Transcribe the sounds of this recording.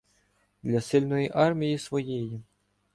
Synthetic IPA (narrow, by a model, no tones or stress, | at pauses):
d̪lʲɐsɪlʲnɔjiʔɑrmʲijisʋɔjiji